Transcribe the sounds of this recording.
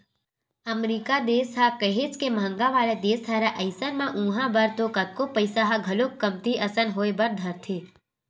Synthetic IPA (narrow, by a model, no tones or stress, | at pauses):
əmɾiːkad̪eːsɦakəɦet͡ʃkemãŋɡaʋaːled̪eːsaɾaʔəɪsənmãʔũːɦãbəɾt̪okət̪̚kopəɪsaɦaɡʱɐlokkːəmt̪iʔɐsənɦoːebəɾd̪ʱəɾt̪ʰe